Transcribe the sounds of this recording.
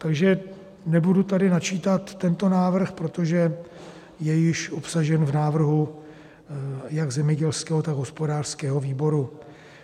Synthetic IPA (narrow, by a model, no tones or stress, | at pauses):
t̪aɡʒɛ | nɛbudut̪adɪnat͡ʃiːt̪at̪ːɛnt̪o̞naːvr̩xpɾo̞t̪o̞ʒɛ | jɛjɪʃʔopsaʒɛnvnaːvr̩ɦu | jaɡzɛmɲɛɟɛlskɛːɦot̪aɡɦo̞spo̞daːr̥skɛːɦo̞viːbo̞ɾu